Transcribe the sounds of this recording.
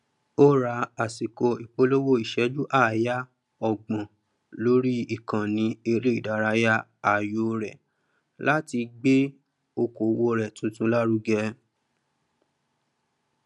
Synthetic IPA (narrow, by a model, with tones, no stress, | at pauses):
o˦ɾa˧˦a˨si˨ko˧i˨k͡po˦lo˦wo˦˨i˨ʃɛ˨˦d͡ʒu˦ʔaː˦˨ja˦ | ɔ˨ɡ͡bã˨ | lo˦ɾi˦i˦˨kã˨nĩ˨˦e˧ɾe˦i˦˨da˨˦ɾa˧˦ja˦a˨jo˨˦ɾɛ˨ | la˦ti˧ɡ͡be˦ | o˧ko˨˦wo˧ɾɛ˨tũ˨˦tũ˦la˦ɾu˦ɡɛ˧